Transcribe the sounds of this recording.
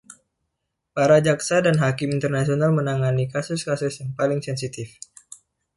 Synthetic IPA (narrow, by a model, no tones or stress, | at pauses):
paɾad͡ʒaksadanɦakɪmint̪ərnasionalmənaŋanikasʊskasʊsjaŋpalɪŋsɛnsit̪ɪf